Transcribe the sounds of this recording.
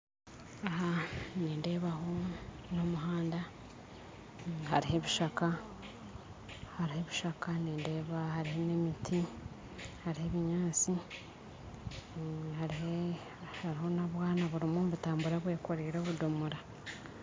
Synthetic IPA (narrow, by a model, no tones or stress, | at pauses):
aɦaneːnde̞ːβaɦo̞no̞muɦaːnda | haɾihe̞βiʃaka | haɾihe̞βiʃakaneːnde̞ːβahaɾihe̞ne̞mitʰi | haɾihe̞βiɲaːt͡si | haɾihe | haɾiho̞naβwaːnaβuɾimomβutaːmbuɾaβwe̞ːkoɾiɾo̞βudomuɾa